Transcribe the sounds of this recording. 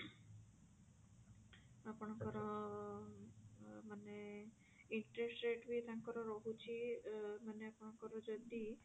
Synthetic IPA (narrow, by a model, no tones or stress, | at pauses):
apəɳ̃kɔɾɔ | məne | iɳʈɾesʈɾeʈʋit̪ãŋkɔɾoɾɔɦũt͡ʃʰiməneapəɳ̃kɔɾɔd͡ʒod̪i